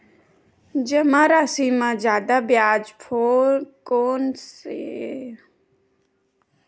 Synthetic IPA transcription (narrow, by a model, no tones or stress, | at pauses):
d͡ʒəmãːɾaːsiːmãːzjaːd̪aːbjaːd͡ʒpʰoːɾkoːnsḛː